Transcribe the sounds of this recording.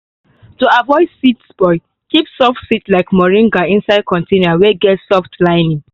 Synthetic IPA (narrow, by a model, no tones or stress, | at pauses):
toavɔɪdsitsb̥ɔɪ | kipsɔftsitlaɪkmɔɹĩŋɡaĩnsaɪd̚kʰɔ̃ntĩnaweɡɛtsɔftlãɪnĩ